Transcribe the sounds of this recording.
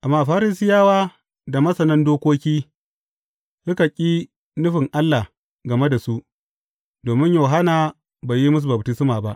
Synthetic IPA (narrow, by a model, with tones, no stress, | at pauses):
ʔa˨mːaː˦˨ɸaː˦ɾɪ˨s̬ɪ˦jaː˦waː˦ | da˨mɐ˦sɐ˨nɐ˦ndoː˦kʷoː˦kʲiː˦ | sʊ˦ka˨kʲʼiː˦ | nʊ˦ɸɪ˨ŋʔa˦lːa˨ | ɡɐ˨me˦da˨su˦ʔ | doː˨mɪ˦ɲjoː˨ɦa˦naː˨ | baː˨ji˦mʊ˦s̬u˨bɐ˨btɪ˦sɪ˦maː˨ba˦ʔ